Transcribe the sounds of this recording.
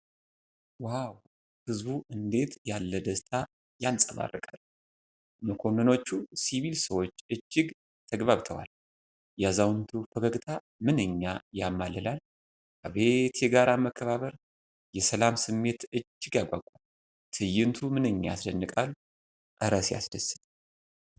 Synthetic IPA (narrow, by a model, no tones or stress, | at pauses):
waw | hɨzbuʔɨnd̪e̞t̪jalːəd̪əst̪ʰa | jalsʼəβa̰rːəkʼal | məkʰo̞nːɨno̞t͡ʃːusiβilsəwo̞t͡ʃːɨd͡ʒːɪɡ | t̪ʰəɡβaβt̪ʰəwa̰l | jazawnt̪ʰufəkəɡt̪ʰa | mɨnɨɲːajamːaləlal | kʰəβe̞t̪jɛɡaɾaməkʰːəβaβəɾ | jɛsəlamsɨmːe̞t̪ɨd͡ʒːɪɡjaɡʷaɡkʷʼum | t̪ʰɨjɪnt̪ʰumɨnɨɲːaasd̪ənːɨkʼal | ʔʼɨɾəsja̰sd̪əsɨn